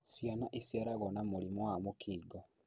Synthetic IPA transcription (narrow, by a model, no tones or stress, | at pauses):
sjanaʔisjaɾaɣɔnamolimɔwamokʰiːɡɔ